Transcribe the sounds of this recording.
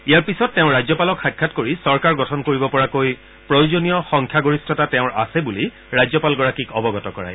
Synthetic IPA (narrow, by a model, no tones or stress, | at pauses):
ijaɹpisɔtːɛʊ̃ɹajzɔpalɔkxajkʰːatkoɹisɔɹkaɹɡɔtʰɔnkoɹibɔpɔɹakoj | pɹɔjuzonijɔxɔŋkʰjaɡoɹistʰɔtatɛʊ̃ɹa̰sɛbuli | ɹazɔpalɡɔɹakikɔbɔɡɔtɔkɔɹa̰j